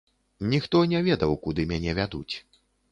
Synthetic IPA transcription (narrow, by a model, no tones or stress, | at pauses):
nʲixt̪ɔnʲɛvʲɛd̪ɐwkud̪ɨmʲanʲɛvʲad̪ṵt͡sʲ